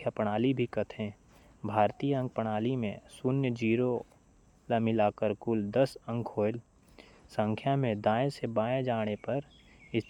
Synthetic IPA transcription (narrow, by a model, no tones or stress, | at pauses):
japəɽ̃aːlibʱikət̪ʰẽː | bʱaːɾt̪iːjəə̃ŋɡ̚pəɽ̃aːlimḛ̃sʊnjəd͡ʒiːɾo | lamilaːkəɾkʊld̪əsə̃ŋkʰoːl | sə̃ŋkʰjamẽd̪aːẽsebaːẽd͡ʒaːɽ̃epɐɾ | ɪs